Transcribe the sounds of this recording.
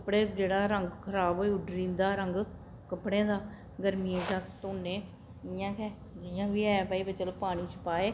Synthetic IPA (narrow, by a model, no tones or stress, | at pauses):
kəpɽeːd͡ʒeːɽaːɾəŋɡkʰəɾaːbɦoːiʊɖɾĩːnd̪aːɾəŋɡ | kəpɽẽːd̪aː | ɡəɾmiːeːd͡ʒaːsə̥t̪oːneː | ɪjãːkɛː | d͡ʒɪjãːʋiːɛːpaːiːbət͡ʃəlpaːɽ̃iːt͡ʃəpaːeː